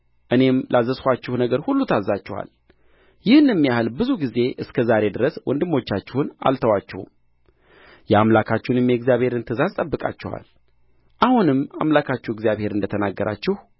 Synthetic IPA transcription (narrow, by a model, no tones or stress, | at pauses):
ʔɨne̞mlʔazːəskʷat͡ʃːɛhunəɡəɾhulːut̪ʰazːat͡ʃːɛwa̰l | jɪhɨnjɛmːijahɨlbɨzuɡize̞ʔɨskʰəzaɾe̞d̪ɨɾəswʔɔ̰nd̪ɨmːo̞t͡ʃːat͡ʃːɛhuna̰lt̪ʰəwat͡ʃːɛ̰hṵm | jɛamlakʰat͡ʃːɛunɨmjɛɡzijaβhe̞ɾɨnt̪ʰɨzast̪ʼəbːɨkʼa̰t͡ʃːɛ̰wa̰l | ʔahunɨmːa̰mlakʰat͡ʃːɛwɡzjaβhe̞ɾɨnd̪ət̪ʰənaɡːəɾʔa̰t͡ʃːɪh